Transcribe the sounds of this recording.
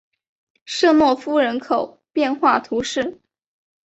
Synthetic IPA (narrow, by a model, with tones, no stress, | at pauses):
ʂɤ˥˧mwɔ˥˩fu˥ɻə˧˥nkʰo˨˩ʊ | pjɛ˥˧nxwa˥˩t̪ʰu˧˥ʂɻ̩˥˩